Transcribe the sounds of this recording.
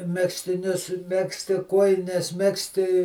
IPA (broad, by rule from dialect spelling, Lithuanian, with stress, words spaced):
ˈmʲæːksʲtʲɪnʲʊs ˈmʲæːksʲtʲɪ ˈkuɔjɪnʲɛs ˈmʲæːksʲtʲɪ